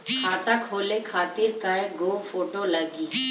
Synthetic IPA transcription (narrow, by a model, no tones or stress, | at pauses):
kʰaːt̪akɦolekʰaːt̪iɾkaeɡobfʰoːʈoləɡi